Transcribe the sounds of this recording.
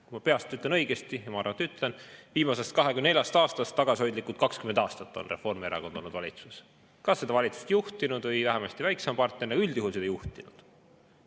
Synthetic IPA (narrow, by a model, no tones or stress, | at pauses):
kujmɑpe̞ɑst̪ːyt̪lenɤ̞jɡ̥e̞st̪ijmɑɑrvɑnt̪ːyt̪ːˑle̞nviːmɑse̞st̪̚kɑɦekujnejɑst̪ɑːst̪ɑst̪ːɑɡ̥ɑsʲiho̞jd̪likːˑult̪̚kɑkskymend̪̥ɑːst̪ɑt̪ːˑo̞̰nre̞fo̞rmieɾɑ̰ko̞nd̪o̞lnːud̪vɑlʲḭt̪sus | kɑsːe̞d̪ɑvɑlʲit̪su̥st̪juht̪inud̪̥vɤjvæhɛmɑst̪ivæjksɑmpɑrt̪nernɑɡuyld̪̥juhulsed̪ɑjuht̪inud̪̥